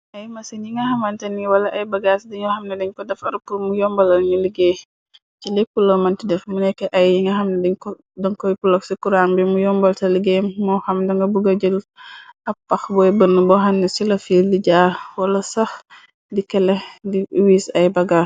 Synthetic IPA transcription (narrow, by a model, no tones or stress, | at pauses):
ʔɐjmɐsinjiŋɡɐhɐmɐntɛniwɐlɐʔɐjbɐɡasdiɲɔhɐmnɛdiɲkɔdɛfɐɾpumujɔmbɐlɐlɲuliɡeː | t͡ʃilɛkːulɔmɐntidɛfmunɛkːɛʔɐjjiŋɡɐhɐmnɛdiɲkɔ | dɐŋkɔjpulɔksikuɾaŋbimujɔmbɐltɐliɡeːmːɔxɐmdɐŋɡɐbuɡɐɟəlʔɐpːɐxbɔjbənːubɔhɐmnɛsilɐfildiɟaːwɐlɐsɐx | dikɛlɛdiwiːsɐjbɐɡas